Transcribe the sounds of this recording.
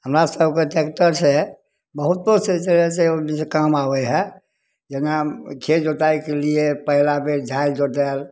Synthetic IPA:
ɦəmɾasəbkeʈekʈəɾse | bəɦut̪̚boset͡ʃəɛseonisekamaʋɛɦɛ | d͡ʒenakʰed͡ʒot̪ajkeliepəɦilabeɾd͡ʒʱaid͡ʒot̪ɛl

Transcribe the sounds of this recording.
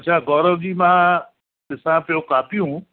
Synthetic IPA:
ɐtːt͡ʃʰaːɡɔːɾəʋd͡ʑiːmã | t̪ɪsãpjokaːpijũ

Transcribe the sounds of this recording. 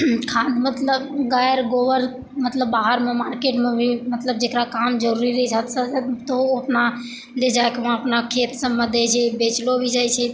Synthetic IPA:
kʰãːd̪mət̪ləbɡaːjɾɡoːʋəɾ | mət̪ləbːaːɦəɾmẽmaːɾkeːʈmẽbʱimət̪ləbd͡ʒekɾakaːmd͡ʒəɾuːɾiɾəɦit͡ʃʰat̪st̪oəpna | led͡ʒaːekmãəpnakʰeːt̪sə̃məd̪ʱet͡ʃʰebeːt͡ʃlobʱid͡ʒaːit͡ʃʰɛ

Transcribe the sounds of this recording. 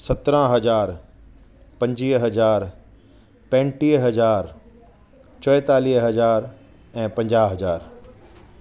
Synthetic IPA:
sɐt̪ɾãɦɐd͡ʑaːɾ | pɐ̃ɲd͡ʒiːɦɐzaːɾ | pɛ̃ːɳʈiːɦɦɐzaːɾ | t͡ɕɔːɛt̪aːliːɦɦɐzaːɾ | ɛ̃ːpɐ̃ɲd͡ʒaːɦɐzaːɾ

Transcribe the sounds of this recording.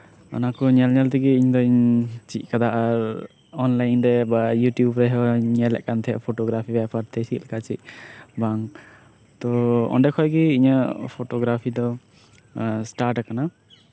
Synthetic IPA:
a̰nakɔɲɛlɲɛlt̪iɡiiɲd̪ɔiɲt͡ʃiʔ̚kad̪aʔaɾ | ɔnlajnɾɛbajuʈjubɾɛɦɔɲɛlɛ̰ʔ̚kant̪ʰɛʔpʰoʈɔɡɾapʰibɛpaɾt̪ʰɛsit̪̚kat͡ʃiʔ̚baŋ | t̪ɔɔ̰ɳɖɛkʰɔjɡiiɲəpʰoʈɔɡɾapʰid̪ɔ | sʈaɾʈkana

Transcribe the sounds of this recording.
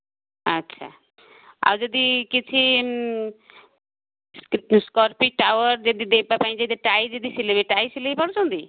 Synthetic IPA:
ətːʃʰa̰ | a̰wd͡ʒɔd̪ikit͡ʃʰi | sskɔɾpiʈawəɾd͡ʒɔd̪id̪epapaĩd͡ʒat̪eʈaijd͡ʒɔd̪isilebeʈajsilejpʰɔɽt͡ʃʰɔ̃nd̪i

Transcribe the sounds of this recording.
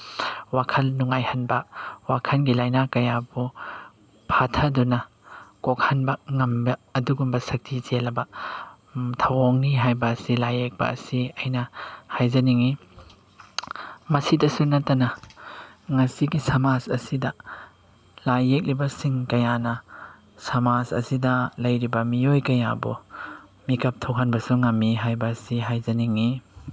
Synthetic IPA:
wakʰɐlnuŋajhɐnbɐwakʰɐnɡilajnakɐjabu | pʰatʰɐdunɐ | kok̚hɐnbɐŋɐmbɐːduɡumbɐsɐk̚tʰit͡ʃelɐbɐ | tʰɐwoŋniɦajbɐːsilajek̚pɐ̰ɐ̰siɐjnɐhajzɐniŋi | mɐsidɐsunɐtːɐnɐ | ŋɐsiɡisɐmazɐ̰sidɐ | lajek̚ɾibɐsiŋkɐjanɐ | sɐmazɐ̰sidɐlɐjɾibɐmiojkɐja̰bṵ | mikɐp̚tʰokhanbɐsuŋɐmːiɦajbɐsiɦajzɐniŋi

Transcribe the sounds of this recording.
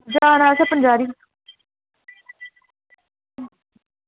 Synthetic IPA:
d͡ʒaːnaːsepənd͡ʒaːɾiː

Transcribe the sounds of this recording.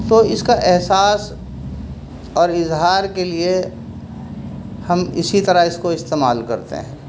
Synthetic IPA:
t̪oːɪskaʔɛɦsaːs | ɔːɾɪzɦaːɾkelie | hɐmɪ̰sit̪ɐɾaɪskoɪst̪eːmaːlkɐ̰ɾt̪ḛɦɛ̃ː

